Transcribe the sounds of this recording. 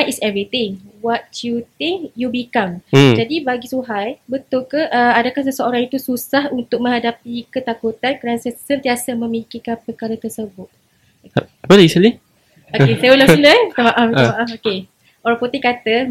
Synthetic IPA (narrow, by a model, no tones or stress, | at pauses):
jisɛvɾit̪ɪŋwat̪jut̪ɪŋkjubikamd͡ʒadibaɡisuɦajbət̪ʊlkəʔəadakahsəsəoɾaŋit̪ususahunt̪ʊk̚mə̃ŋɦadapikət̪akut̪ankəɾanasəsənt̪iasamə̃mikikanpəkaɾat̪ərsəbʊt̪̚ | apəlisili | okesajbulailəit̪amaʔafamaʔafoke | oɾaŋput̪ɪkat̪ə